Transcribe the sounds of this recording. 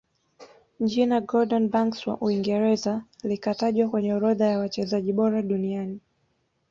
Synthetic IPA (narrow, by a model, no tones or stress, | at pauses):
d͡ʒinaɡɔɗɔnbaŋkswa̰ʔuiŋɡɛɾɛzalikataʄwakwɛɲɛɾɔðajawat͡ʃɛzaʄiɓɔɾaɗuniani